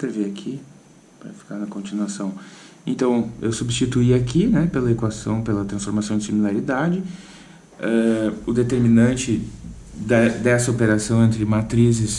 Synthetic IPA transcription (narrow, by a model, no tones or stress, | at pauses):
pɾeveakʰi | pɾɐ̰fi̥kaɾnɐkõnt͡ʃinuasɐ̃w̃ | ẽnt̪ɐ̃w̃ewsubst͡ʃit̪uiakinɛpelɐekwasɐ̰̃w̃pelɐt̪ɾɐ̃sfoɾmasɐ̃w̃d͡ʒɪsimilaɾid̪ad͡ʒɪ | ɛʊd̪et̪eɾminɐ̃nt͡ʃɪd̪ɛd̪ɛsɐopeɾasɐ̃w̃ẽnt̪ɾɪmat̪ɾizɪs